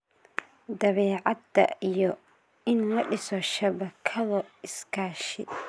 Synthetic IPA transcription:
d̪ɐβɛːʕɑd̪ɐ̰ijɔ | ɪnlɐɖɪsɔʃɐβɐkʰɐlɔɪskʰaːʃɪ

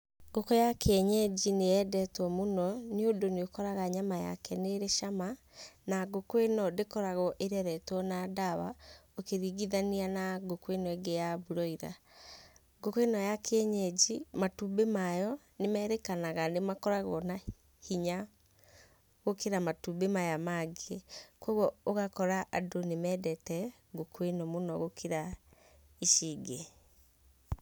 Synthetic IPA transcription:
ɡokɔjakɛɲɛd͡ʒinejɛdɛtwɔmonɔniodoneokɔɾaɣaɲamaja̰kɛneɾeʃama | naɡokwenɔdekɔɾaɣɔʔeɾɛɾɛtwɔnadaβa̰okeɾiɣiðanianaɡokwenɔeɡejaβuɾɔiɾa̰ | ɡokwenɔjakʰeɛɲed͡ʒimatubemajɔ | nemɛːɾekanaɣanemakɔɾaɣɔna | hiɲa | ɣokeɾamatubemajamaɡekwɔɣɔoɣakɔɾaʔadonemɛːdɛtɛ | ɡokwenɔmonɔɣokʰeɾa | iʃiːɡe

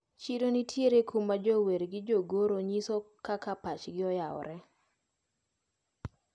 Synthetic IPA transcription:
t͡ʃidonitʰjeɾekʰumːad͡ʒoweɾɡɪd͡ʒoɡoɾoɲisokakapat͡ʃɡɪɔjaɔ̰ɾɛ

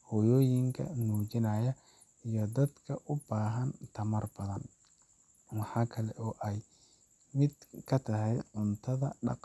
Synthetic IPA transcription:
hɔjɔːjɪŋkʰɐ̰nuːt͡ʃɪnɐjɐ | ijɔd̪ɐd̪kʰɐʔʊbaːɦɐnt̪ʰɐmɐrbɐðɐn | wɑħɑːkʰɐlɛʔɔːʔɛj | mɪd̪kʰɐt̪ʰɐɦɛjʕʊnt̪ʰɐðɐɖɑ̰q

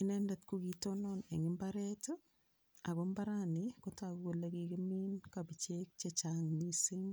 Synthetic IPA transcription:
ɪnɛndɛtkukitonɔneŋɪmbaɾɛto | akombaɾanikotakkolekikɪminkabit͡ʃek̚t͡ʃet͡ʃaŋnisɪŋ

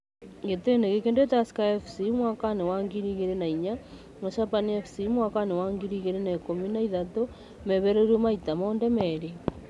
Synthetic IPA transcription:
ɡeteneɣekendetaskaefsimwakanewaŋɡiɾiɣeɾenaiɲa | maʃapaniefsimwakanewaŋɡiɾiɣeɾenakominaiðato | meβeɾeɾumaitamondɛmɛɾi

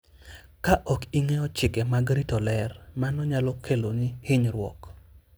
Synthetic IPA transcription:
kaʔɔkiŋɛɔt͡ʃɪkɛmaɡɾitɔlɛrmanɔɲalɔkʰelonihɪɲɾwɔ̰k

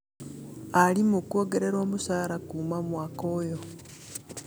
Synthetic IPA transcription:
alimukuo̞ːɡe̞ɾe̞ɾo̞ːmusaːɾakuːmamwaːko̞jo̞

